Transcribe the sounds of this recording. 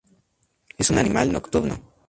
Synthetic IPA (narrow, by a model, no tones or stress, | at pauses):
esunanimʔa̰lnokt̪uɾno